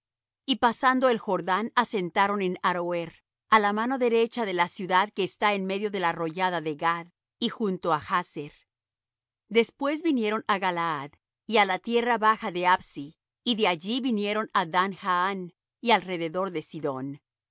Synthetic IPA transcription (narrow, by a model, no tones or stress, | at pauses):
ipasand̪o̞e̞lxo̞ɾðanase̞nt̪aɾo̞ne̞naɾoeɾ | alamano̞ðe̞ɾe̞t͡ʃaðe̞lasjuðaðke̞ːst̪aenme̞ðjo̞ðe̞laro̞ʝaðaðeɣað | ixunt̪o̞axaseɾ | d̪e̞spwe̞zβinje̞ɾo̞naɣalaað | ialat̪je̞raβaxaðe̞absiː | ðe̞aʝiβinje̞ɾo̞naðanxaan | ialre̞ðe̞ðo̞ɾðe̞siðo̞̰n